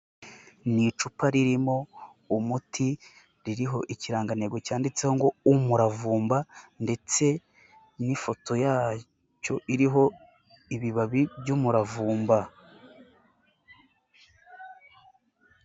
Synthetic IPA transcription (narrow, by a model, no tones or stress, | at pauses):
nit͡ʃupaɾiɾimo̞ | umutʰi | ɾiɾiɦo̞ʔiciɾaːŋɡaneɡocaːndit͡se̞hoŋɡo̞umuɾavuːmbande̞t͡se̞ | nifo̞tʰo̞jaː | co̞ʔiɾiɦo̞ | iβiβaβibɟuːmuɾavuːmba